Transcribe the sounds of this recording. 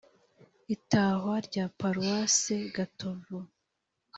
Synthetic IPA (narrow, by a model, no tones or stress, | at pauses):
itaːɦwaɾɟaːpaɾuwaːseɡatʰovo